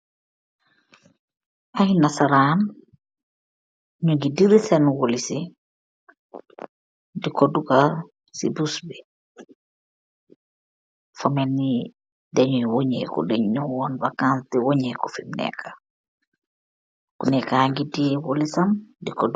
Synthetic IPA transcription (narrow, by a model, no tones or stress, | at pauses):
ajinasaɾan | ɲuɡidiɾisenwolisi | dikoduɡa | sḭbusbi | fomenːi | dɛɲuwoɲḛkɔ̰deɲɲuwɔnbakãnstiwoɲekɔfimnɛ̰kʰḁ | kunɛkaŋɡidiwolisamdikod